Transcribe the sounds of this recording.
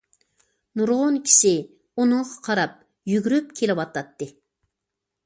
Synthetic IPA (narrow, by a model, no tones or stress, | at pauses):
nuɾʁʊnkʲʰi̥ʃi | unɨŋʁɑqʰɑɾɑp̚ | jyɡʲyɾyp̚kʲʰelɪwɑt̪ɑt̪ːɨ